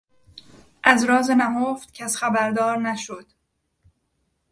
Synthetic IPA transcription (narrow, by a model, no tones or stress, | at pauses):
ʔæzɾɒːzenæɦoft̪cʰæsxæbæɾd̪ɒːɾnæʃod̪̥